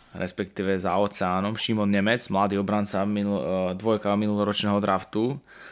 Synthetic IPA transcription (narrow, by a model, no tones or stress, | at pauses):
ɾɛspɛkt̪iːʋɛzaɔt͡sɛaːnɔmʃimɔnɲɛmɛd͡zmlad̪iːɔbɾant͡samid̪ʋɔjkaminulɔɾɔt͡ʃnɛːɦɔd̪ɾʔaft̪u